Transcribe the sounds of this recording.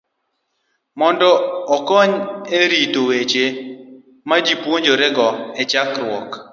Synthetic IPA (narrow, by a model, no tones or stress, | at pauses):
mɔndɔːkɔɲeɾitowet͡ʃe | mad͡ʒipwoɲd͡ʒoɾɛɡɔɛt͡ʃakɾwɔk